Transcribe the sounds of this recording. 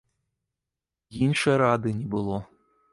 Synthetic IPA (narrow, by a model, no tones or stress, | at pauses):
jinʲʃɛɾɑd̪ɨnʲibɨlˠo